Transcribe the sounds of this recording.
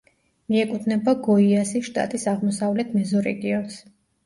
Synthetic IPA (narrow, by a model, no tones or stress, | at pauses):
miɛkʼut̪ʰnɛbaɡɔiasiʃt̪ʼa̰t̪ʼisaʁmɔsavlɛt̪ʰmɛzɔɾɛ̰ɡiɔns